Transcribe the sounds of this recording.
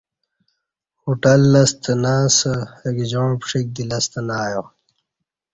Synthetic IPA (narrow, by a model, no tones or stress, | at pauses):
huʈɐlːɐst̪ʰɐnaːsəekd͡ʑõːpʂik̚d̪ilɐst̪ɐnaːjo